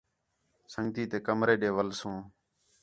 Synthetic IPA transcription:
səŋɡt̪iːt̪eːkəmɾeːɗeːʋəlsõː

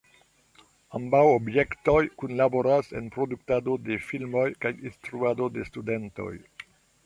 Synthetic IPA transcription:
ambawobje̞kto̞jkunlaboɾase̞̰npɾo̞duk̚tado̞de̞filmo̞jkajinstɾuado̞de̞stude̞nto̞̰j

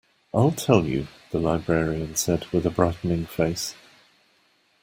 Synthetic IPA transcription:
ʔaɪlˠtʰɛlˠjʉ̰ðəlaɪbɹɛɹiə̃nsɛd̚wɪðəbɹaɪtn̩ɪ̃ŋfeɪs

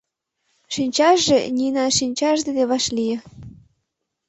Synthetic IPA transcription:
ʃinʲt͡ɕɑʃːḛnʲinɑʃinʲt͡ɕɑʒd̪ed̪eβɑʃlijĕ

